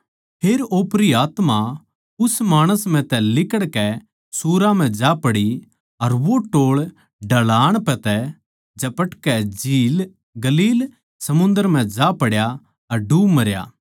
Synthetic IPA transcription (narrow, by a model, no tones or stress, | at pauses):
pʰeːɾoːpɾiaːt̪ma | ʊsmaːɽ̃əsm̤ɛ̃t̪ɛlɪkəɽkɛ | suːɾam̤ɛ̃d͡ʒaːpɐɽi | ɐɾʋoʈoːɭ | ɖɐlaːɽ̃pɛ̃t̪ɛ | d͡ʒɐpɐʈkɛd͡ʒiːl | ɡɐliːl | sɐmʊ̃nd̪əɾm̤ɛ̃d͡ʒaːpɐɽja | ɐɾɖuːmɐɾja̰ː